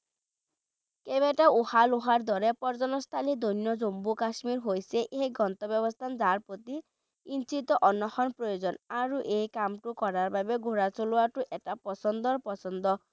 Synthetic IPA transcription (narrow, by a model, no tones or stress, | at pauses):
kebeʈauhaluɦaɾd̪ɔɾepɔɾd͡ʒɔnɔst̪ʰalid̪onjɔd͡ʒombukasmiɾɦojseʔeɦiɡɔnt̪ɔbjɔbɔst̪ʰand͡ʒaɾpot̪i | int͡ʃit̪ɔʔɔnːɔxɔnpɾɔjod͡ʒɔnaɾuʔejkamʈukɔɾaɾbabeɡʱuɾat͡ʃuluaʈuʔeʈapɔsɔnd̪ɔɾpɔsɔnd̪ɔ